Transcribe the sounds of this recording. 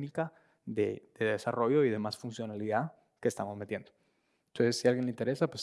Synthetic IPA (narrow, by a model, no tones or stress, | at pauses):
nika | ðeð̥e̞ðe̞saro̞ʝo̞iðe̞masfunsjo̞naliða | kest̪amo̞zmet̪je̞nd̪o | nt̪onsesːialɣjeleint̪e̞ɾe̞sapwes